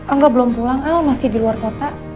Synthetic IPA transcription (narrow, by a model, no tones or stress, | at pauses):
ʔaŋɡabəlompulaŋaomasɪhdiluarkot̪a